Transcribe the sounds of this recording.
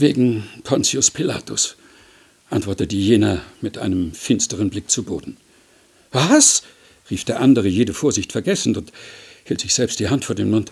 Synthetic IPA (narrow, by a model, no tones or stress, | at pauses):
veːɡŋ̩pʰɔnsiʊspʰila̰ːtʊs | ʔantv̥ɔɐtət̚d̥iːjeːnamɪtʔa̰ɪnəmfɪnstəʁənblɪk̚t͡subo̰ːdn̩ | vas | ʁiːfd̥eːɐʔandəʁ̞əjeːdəfoːɐzɪçtfɛɐɡɛsn̩ʊnthiːltz̥ɪçz̥ɛlpst̚d̥iːhantfoːɐdeːmʊnt